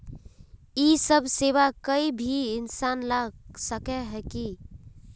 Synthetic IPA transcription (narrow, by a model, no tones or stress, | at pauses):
isəbʱseβakəibʱiːnsanlasəkɛɦɛki